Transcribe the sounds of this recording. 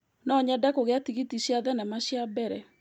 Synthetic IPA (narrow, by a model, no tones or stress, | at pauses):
nɔɲɛdakoɣeatiɣitiɕiaðɛnɛmaɕjabɛɾɛ